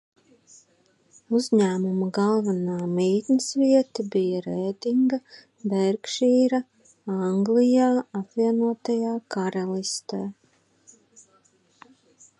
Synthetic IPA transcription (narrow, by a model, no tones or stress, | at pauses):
uzɲæːmumuɡɑlˠvanaːmiːt̪nɨsviɛt̪ɐbijaɾeːd̪iŋɡɐ | bɛɾkʃiːɾɐ | aŋɡlijaːapvʲiɛnuɔt̪ajaːkaɾalˠist̪eː